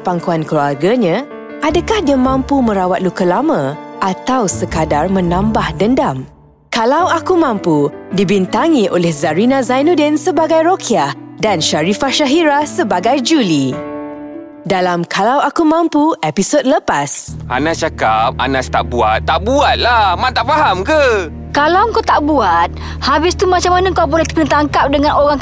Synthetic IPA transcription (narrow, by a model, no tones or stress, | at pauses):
paŋkuankluarɡaɲã | ʔadakahdiamãmpumə̃ɾawat̪̚lukəlamãʔat̪awsəkadarmə̃nãmbahdəndam | kalawakumãmpudibint̪aŋĩʔolɛhzaɾinãzajnũdɛnsəbaɡajɾokʰiahdanʃaɾifaʃaɦiɾasəbaɡajd͡ʒuli | dalamkʰalawakumãmpuepisod̚ləpasʔa̰nãt͡ʃakap̚a̰nãst̪a̰ʔ̚bua̰t̪̚ːaʔbuat̪̚lahmãt̪aʔfaɦamkə | kalawəŋkawt̪aʔbuat̪̚ | habɪst̪umãt͡ʃamanaŋkawbolɛht̪ə̥knt̪aŋkap̚dəŋãnʔoɾaŋ